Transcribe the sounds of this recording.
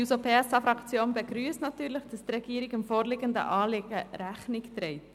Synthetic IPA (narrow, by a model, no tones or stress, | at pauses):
uzopʰeːɛsɑfɾɑkt͡sjoːnbəɡɾyːstnɑt̪yːɾləχd̥ɑst̪rɛɡiːəɾɪɡɪmfoːɾlɪːɡənd̪ə̰ʔɑːleɡəɾæχnɪkt̪ɾɛɪt